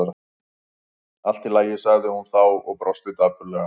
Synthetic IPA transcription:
ɾa | al̥t̪ɪlaːjɪsaɣðɪhunθawɔɣpɾɔst̪ɪt̪apʏɾlɛɣa

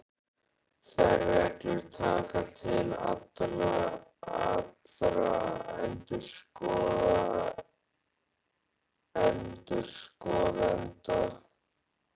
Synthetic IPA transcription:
θɛɾɛɾt̪ʏɾt̪ʰaːkat̪ʰɪla̰t̪ɾaat̪ɾaɛnt̪ʏɾskɔːða | ɛnt̪ʏɾskɔːðɛnt̪a

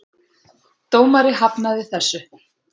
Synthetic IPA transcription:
t̪oːwmaɾɪɦapnaðɪθɛsːʏ

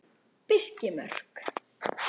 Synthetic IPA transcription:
pɪscɪmœ̰r̥k

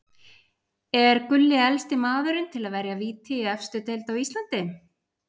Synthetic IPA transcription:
ɛɾkʏlːɪɛlst̪ɪmaːðʏɾɪnt̪ʰɪlaðvɛɾjaviːt̪ʰɪiɛfst̪ʏt̪ejlt̪awist̪lant̪ɪ

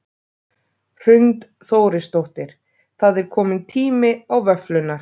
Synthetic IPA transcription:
r̥ʏnt̪ | θoːwɾɪst̪owht̪ɪɾ̥ | θaðɛɾ̥kʰɔːmɪnt̪ʰiːmɪawvœflʏnːaɾ̥

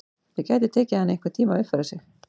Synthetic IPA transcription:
θɛcaːjt̪ɪt̪ʰɛːcɪhanːɪeŋkvḁt̪ʰiːmaʏhfɪɾasjɛx

